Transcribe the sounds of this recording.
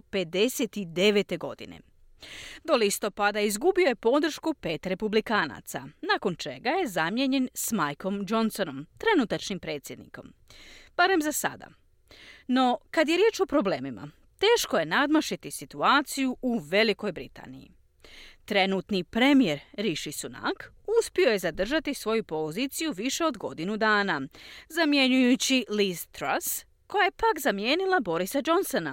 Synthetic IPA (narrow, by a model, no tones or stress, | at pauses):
pe̞d̪e̞se̞t̪id̪e̞ʋe̞t̪e̞ɡo̞̰d̪ḭnḛ | d̪o̞list̪o̞pad̪aizɡubioje̞po̞d̪ɾ̩ʃkupe̞ːt̪ɾe̞publikaːna̰t̪sa̰naːko̞nt͡ʃe̞ɡaje̞zamje̞ɲe̞nsmajko̞md͡ʒo̞nso̞no̞mt̪ɾe̞nut̪at͡ʃnimpɾe̞ːt̪sje̞d̪nḭko̞̰mb̥aɾe̞mzasa̰d̪a̰ | no̞kad̪je̞ɾjeːt͡ʃopɾo̞ble̞ːmima̰ | t̪e̞ːʃkoje̞nad̪maʃit̪isit̪uaːt̪sijuʔuʋe̞liko̞jbɾḭt̪a̰ːnḭjḭ | t̪ɾe̞nuːt̪nipɾe̞mije̞ɾɾiʃisuna̰k | uspio̞je̞zad̪r̩ʒat̪isʋo̞jupo̞zit̪sijuʋiʃe̞o̞d̪ɡo̞d̪inud̪aːnazamje̞ɲujut͡ɕilizt̪ɾas | ko̞jajepakzamje̞ːnilˠabo̞ɾisad͡ʒo̞nsona